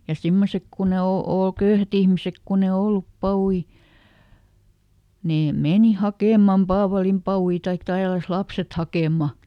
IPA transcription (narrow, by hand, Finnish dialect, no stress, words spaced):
jɑ simːosek kun e o oˑl køyhæt ihmisek kunː e olːup pɑwui neː meni hɑkeˑmˑɑm pɑːʋɑlimpɑui tɑik tælːæs lɑpset hɑkeˑmːɑ